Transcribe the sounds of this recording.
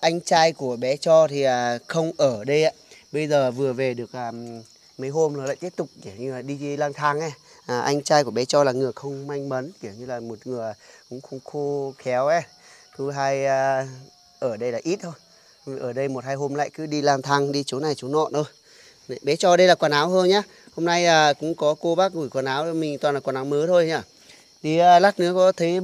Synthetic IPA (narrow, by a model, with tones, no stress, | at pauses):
ʔa˧jŋ̟t͡ɕaː˧jku˧˩əɓɛ˨˦t͡ɕɔ˧t̪ʰi˨˩aː˨˩xə˧wŋ͡mʔəː˧˩ɗə˧jʔaː˧˨ɓə˧jzəː˨˩vɨ˨˩əve˨˩ɗɨ˨˩ək̚aː˨˩ | mə˨˦jɦo˧mla˨˩la̰ː˧˨jt̪i˦˥əp̚t̪ʊ˨˩k͡p̚ke˧˩wɲɨ˧laː˨˩ɗi˧laː˧nt̪ʰa˧ŋʔa˧ | ʔːʔa˧jŋ̟t͡ɕaː˧jku˧˩əɓɛ˨˦t͡ɕɔ˧laː˨˩ŋɨ˨˩əjxə˧wŋ͡mma˧jŋ̟mə˨˦nki˧˩əwɲɨ˧laː˨˩mo˨˩t̚ŋɨ˨˩əjkʊ̰˧˥˦ŋ͡mxʊ˧˦ŋ͡mxo˧xɛ˨˦wʔɛ˧˩ | t̪ʰu˨˦ɦaː˧jː | ʔəː˧˩ɗə˧jlaː˨˩ʔi˦˥t̚t̪ʰo˧j | ʔəː˧˩ɗə˧jmo˨˩t̚haː˧jɦo˧mla̰ː˧˨jkɨ˨˦ɗi˧laː˧nt̪ʰa˧ŋɗi˧t͡ɕo˨˦na˨˩jt͡ɕo˨˦nɔ̰˧˨nt̪o˧j | ɓɛ˨˦t͡ɕɔ˧ɗə˧jlaː˨˩kwaː˧˩nʔaː˨˦whəː˧nɲaː˨˦ | ho˧mna˧jaː˨˩kʊ̰˧˥ŋ͡mkɔ˨˦ko˧ɓaː˦˥k̚ŋu˧˩jkwaː˨˩nʔaː˨˦wmï˨˩ŋ̟t̪wa˨˩nlaː˨˩kwaː˨˩nʔaː˨˦wməː˨˦t̪ʰo˧jɲaː˧˩ | ɗi˧˩˧la˦˥t̚nɨ̰˧˥əkɔ˨˦t̪ʰe˨˦